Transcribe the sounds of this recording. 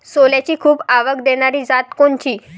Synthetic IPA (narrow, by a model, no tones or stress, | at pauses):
soljat͡ɕiːkʰuːbaʋəɡd̪eɽ̃aɾiːd͡zat̪koɳt͡ɕiː